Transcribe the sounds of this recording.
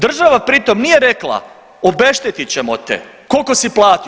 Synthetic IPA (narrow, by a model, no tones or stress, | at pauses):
d̪r̩ʒaʋapɾit̪o̞mnije̞ɾe̞klˠa̰ | obe̞ʃt̪et̪it͡ɕemo̞̰t̪ḛ | ko̞lko̞siplˠaːt̪i